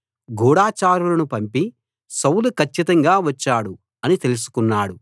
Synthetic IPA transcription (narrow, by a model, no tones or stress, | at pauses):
ɡuːɽaːt͡ʃaːɾulɐnupɐmpi | sɐwlukʰɐt͡ʃːit̪ɐŋɡaːʋɐt͡ʃːaːɽu | ɐnit̪e̞lus̬u̥kunːaːɽu